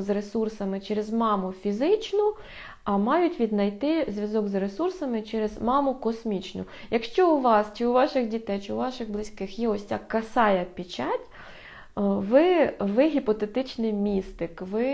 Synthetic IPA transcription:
zresursɐmɪt͡ʃɛɾezmɑmʊfʲizɪt͡ʃnʊ | ɐmɑjʊtʲʋʲid̪nɐjt̪ɪzʲʋʲjɐzɔɡzresursɐmɪt͡ʃɛɾezmɑmʊkɔsmʲit͡ʃnʊ̰ | jɐkʃt͡ʃɔʊʋɑst͡ʃɪʊʋɑʃɪɣdʲit̪ɛjt͡ʃɪʊʋɑʃɪɣblˠɪsʲkɪxjɛɔsʲtʲakɐsɑjɐpʲit͡ʃatʲ | ʋɪʋɪɦʲipɔt̪et̪ɪt͡ʃnɪjmʲist̪ɪkʋɪ

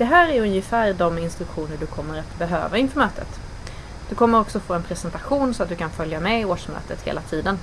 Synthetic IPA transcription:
d̪̥ɛɦæːɾæɾɵnjəfæːɾɖɔmɪnst̪ɾɵkɧuːnəɖɵkʰɔmːəɾat̪bɛɦø̰ːvaɪnfœɾmøːt̪ʰə̰t̪ | d̪̥ɵkʰɔmːəɾɔksɔfoːɛnpʰɾɛsɛnt̪aɧuːnsɔat̪̚d̪ɵkʰanfœljamɛɪoːʂmœ̰ːt̪ət̪hḛːlat̪ʰiːd̪ən

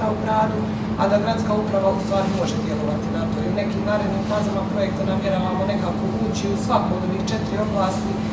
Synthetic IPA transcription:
aupɾaːd̪u | a̰d̪aɡɾat̪skaːupɾaʋaust̪ʋaːɾimo̞ʒed̪je̞lˠo̞ʋat̪inat̪oiune̞kiːmnaːɾe̞d̪niːmfaːzamapɾoje̞k̚t̪anamje̞ɾaːʋamo̞ne̞kaːko̞ut͡ɕiusʋakoːd̪oniːt͡ʃe̞t̪iɾio̞blˠaːst̪i

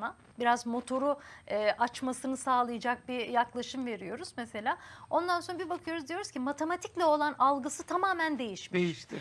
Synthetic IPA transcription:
a | biɾazmo̞t̪ʰo̞ɾuɛːʔat͡ʃmasɯnɯsaːlˠɯjad͡ʒak̚bijaklˠaʃɯmve̞ɾijo̞ɾuz̥mese̞lʲaːo̞nd̪anso̞nabibakʰɯjo̞ɾuzd̪ijo̞ɾuz̥cʰimat̪ʰe̞mat̪ʰiclʲɛo̞lˠanalˠɡɯsɯt̪ʰamaːmænd̪e̞jiʃmejiʃt̪iɾ

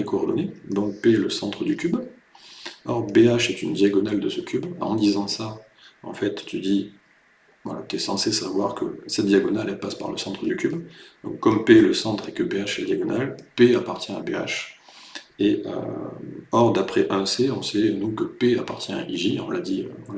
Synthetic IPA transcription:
ɛkɔːʁd̪ɔned̪ɔ̃k̚peləsɑ̃t̪χəd̪ykʲyb | ɔʁbeaʃɛt̪ynd̪jaɡɔnald̪əsəkʲʰybɑ̰̃d̪izɑ̃sa | ɑ̰̃fɛt̪ːyd̪i | vwalat̪yɛsɑ̃sesavwaʁkə̰sɛt̪̚d̪jaɡɔnalɛpaspa̰ʁlə̰sɑ̃t̪χəd̪ykʲybd̪ɔ̰̃kːɔmpeləsɑ̃t̪χɛkəbeaʃad̪jaɡɔnalpeapaʁt̪jɛ̃abea̰ʃ | eø̰ | ɔʁd̪apχɛʔɛ̃seɔ̃sɛnukəpeapaʁt̪ʲjɛ̃a̰ʔiʒiɔ̰̃lad̪iø̰vwala

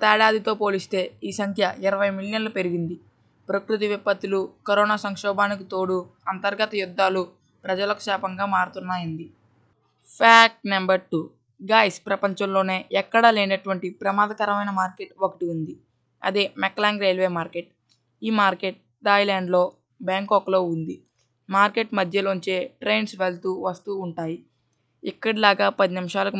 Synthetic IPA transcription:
t̪aːɽaːd̪it̪o̞ːpo̞ːlist̪e̞ːiːsɐŋkʰjɐʔiɾɐʋɐjmiljɐnlupe̞ɾiɡind̪i | pɾɐkɾut̪̬iʋipːɐt̪ːulukɐɾɔːnaːsɐŋkʂɔːbaːnikit̪o̞ːɽuɐnt̪ɐɾɡɐt̪ɐjud̪ːaːlu | pɾɐd͡ʒɐlɐku̥ʃaːpɐŋɡaːmaːɽut̪unːaːjind̪i | pʰaːk̚ʈnɐmbɐɾʈuː | ɡaːjspɾɐpɐɲt͡ʃɐmlo̞ːne̞ːʔɛkːɐɽɐleːnɐʈuʋɐɳʈipɾɐmaːd̪ɐkɐɾɐmɐjnɐmaːɾke̞ʈokɐʈiund̪i | ɐ̰d̪eːmɛklaːŋɡɾejlʋe̞ːmaːɾke̞ʈ | iːmaːɾke̞ʈ̚ | ɖaːjlaːɳɖlo̞ː | baːŋkɔklo̞ːund̪i | maːɾke̞ʈmɐd̪ʱjɐloɲt͡ʃe̞ːʈɾejnsʋelt̪uːʋɐst̪uːɳʈaːji | ikːɐɽilaːɡaːpɐd̪inimiʂaːlɐku

